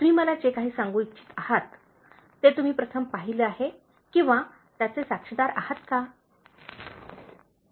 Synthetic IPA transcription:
t̪umiːməlad͡ʑekaɦiːsãŋɡuːitːɕʰi̥t̪ahat̪ː | et̪um̤iːpɾət̪ʰəmpaɦileaɦe | kĩʋa | t̪jat͡sesakʂəd̪aɾahat̪ka

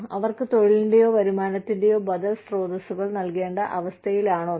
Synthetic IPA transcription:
ɐʋɐrkɨt̪o̞ɻilndejo̞ːʋɐɾumaːnɐt̪ːinde̞jo̞ːbɐd̪ɐlsro̞ːd̪ɐsuɣɐɭnɐlke̞ːɳɖɐʔɐʋɐst̪ʰɐjilaːɳoː

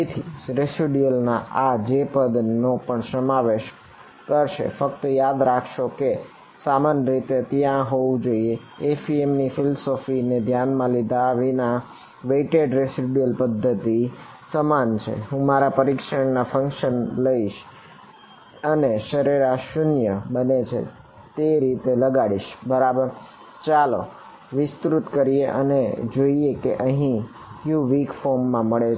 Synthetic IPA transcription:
it̪ʰiɾesiɖiəlnaʔad͡ʒepəd̪nːopəɳsəmaʋeʃ | kəɾʃḛfəkt̪əjad̪ɾakʰʃoke | samanəɾit̪et̪jãɦoʋũd͡ʒoie | efiemnifɪlosofined̪ʱjanmãlid̪ʱaʋina | ʋeiʈeɖɾesiɖiəlpəd̪ʱːət̪i | səmant͡ʃʰḛɦũmaɾapəɾikʃəɳnafə̃ŋkʃənləiʃ | əneʃəɾiɾaʃʊnjəbənet͡ʃʰḛ | t̪eɾit̪eləɡaɽiʃbəɾabəɾ | t͡ʃalo | ʋɪst̪ɾut̪kəɾieʔə̰nḛd͡ʒoiekeʔəɦĩ | juʋikfɔɾmːãməɭe

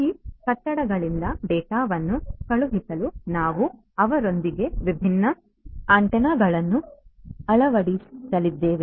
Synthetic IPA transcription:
ikɐʈːɐɽɐɡɐɭind̪ɐbɛːʈaːʋɐnːukɐɭuɦisɐlunaːʋu | ɐʋɐɾo̞nd̪iɡe̞ʋibʱinːɐ | aːɳʈɐnɐɡɐɭɐnːuɐɭɐʋɐɽisɐlid̪ːeːʋe

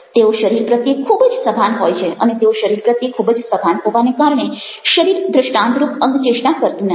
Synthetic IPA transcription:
t̪eoʃəɾiɾpɾət̪jekʰːubd͡ʒsəbʱanɦojt͡ʃʰeʔə̰net̪eoʃəɾiɾpɾət̪jekʰubd͡ʒsəbʱanɦoʋanekaɾɳe | ʃəɾiɾd̪ɾəʃʈãnd̪ɾupəŋɡt͡ʃeʃʈakəɾt̪nə

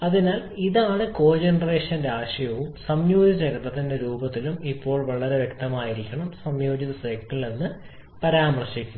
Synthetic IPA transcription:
ɐðinaːliðaːɳɨko̞ːd͡ʑenɐre̞ːʂɐnɾaːʂɐjɐʋumsɐmjo̞ːd͡ʑɐd͡ʑɐɣɐt̪ːɐt̪ːinde̞ɾuːbɐt̪ːilumipːo̞ːɭʋɐɭɐɾe̞ʋje̞k̚t̪ɐmaːjiɾikʲːɐɳɐmsɐmjo̞ːd͡ʑiðɐsɐjkːɐɭːenːɨ | pɐɾaːmɐrɕikʲːunː

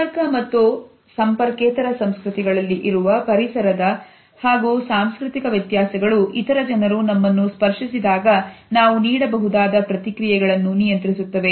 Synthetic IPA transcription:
ɐɾkɐmɐt̪ːu | sɐmpɐɾkeːt̪ɐɾɐsɐmskɾut̪iɡɐɭɐlːiʔiɾuʋɐpɐɾisɐɾɐd̪ɐ | haːɡuːsaːmskɾut̪ikɐʋjɐt̪jaːsɛɡɐɭuʔit̪ɐɾɐd͡ʒɐnɐɾunɐmːɐnːuspɐɾʂisid̪aːɡɐnaːʋuniːɽɐbɐɦud̪aːd̪ɐpɾɐt̪ikɾijɛɡɐɭɐnːunijɐnt̪ɾisut̪ːɐʋe̞

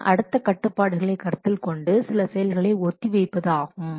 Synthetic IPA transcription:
ʔɐɽɯt̪ːɐkɐʈːɯpːaːɽɯɣɐɭɐɪkɐɾt̪ːɪlkɔɳɖɯsɪlɐsɛjɐlɣɐɭɐɪɔt̪ːiʋɛɪpːɐðaːɣɯm

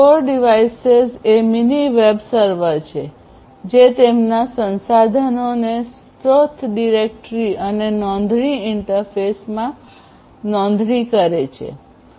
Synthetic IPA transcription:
foɾɖiʋaisezeminiʋebsəɾʋəɾt͡ʃʰe | d͡ʒet̪emnasənsad̪ʱanones | t̪ɾot̪ʰɖiɾek̚ʈɾiənenɔ̃nd̪ʱɳiɪɳʈəɾfʰesmã | nɔ̃nd̪ʱnikəɾet͡ʃʰḛ

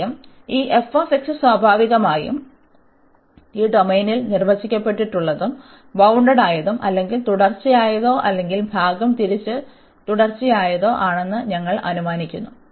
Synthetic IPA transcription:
ɐm | iːʔefːɐːfiksɨswaːbʱaːʋiɣɐmaːjṵm | iːɖo̞mejnilnirʋɐt͡ɕːikʲːɐpːe̞ʈːiʈːuɭːɐðum | bɐwɳɖɐɽaːjɐðumʔɐlːe̞ŋɡilt̪uɽɐrt͡ɕːijaːjɐðo̞ːʔɐlːe̞ŋɡilbʱaːɡɐmt̪iɾit͡ɕːɨ | t̪uɽɐrt͡ɕːijaːjɐðo̞ːʔaːɳe̞nːɨɲɐŋːɐɭʔɐ̰numaːnikʲːunːu

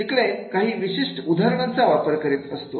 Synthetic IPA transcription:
ikɭekaɦiːʋiɕiʂʈud̪ʱaɾəɳ̃ant͡saʋapəɾkəɾiːt̪əst̪o

